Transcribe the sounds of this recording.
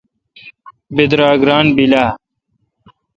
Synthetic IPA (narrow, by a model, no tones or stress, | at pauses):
bed̪ɾaːɡɾaːnbilaː